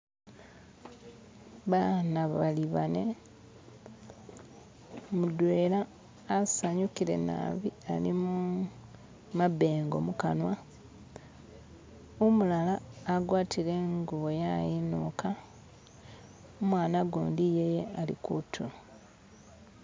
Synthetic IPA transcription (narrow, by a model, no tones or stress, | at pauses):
βanaβaliβane | mudwe̞ːlaː | saɲukiɾe̞̰na̰βialimu | mabe̞ːŋɡo̞̰mukanwa | omulalaːɡwaːtʰiɾe̞ŋɡuβojajinukʰa | omwaːnaɡṵːndijejealḭkutʰulo